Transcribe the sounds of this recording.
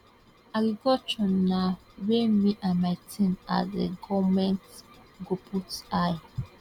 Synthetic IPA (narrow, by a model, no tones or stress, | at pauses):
aɡiɡɔt͡ʃɔna | wemiʔãnmajtʰĩna̰deɡɔmɛ̃nt | ɡopʰusaj